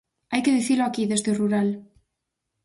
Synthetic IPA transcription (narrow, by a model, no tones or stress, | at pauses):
ajkeð̞iθiɾloakiðezðeuruɾal